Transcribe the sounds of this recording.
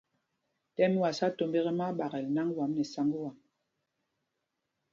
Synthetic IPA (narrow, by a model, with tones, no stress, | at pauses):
tɛ˦mi˦wa˨sa˦to˨mbe˦ɣɛ˦ma˦ɓa˨ɣɛ˨lna˦ŋ˦wa˨˦mnɛ˨sa˦ŋɡə˦wa˨m